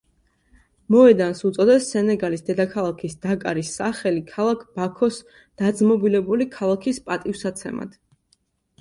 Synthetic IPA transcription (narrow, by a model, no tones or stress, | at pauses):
mɔɛd̪ansut̪sʼɔd̪ɛsːɛnɛɡalisd̪ɛd̪akʰalˠakʰisd̪̥akʼa̰ɾisaχɛlikʰalˠakʰb̥akʰɔs | d̪̥ad̪zmɔbilɛbulikʰalˠakʰispʼat̪ʼifsat̪sʰɛ̰ma̰d̪̥